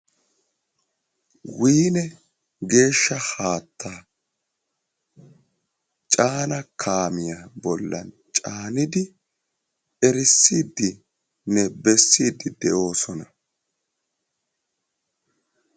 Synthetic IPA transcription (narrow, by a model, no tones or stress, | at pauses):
wiːnɛ | ɡe̞ːʃːɐhaːt̪ːaː | t͡ʃʼaːnɐkʰaːmɪjabɔlːɐ̰n | t͡ʃʼaːnɪd̪ɪ | ɛɾɪsːiːd̪ːɪ | nɛbɛsːiːd̪ːɪd̪ɛʔo̞ːsɔnɐ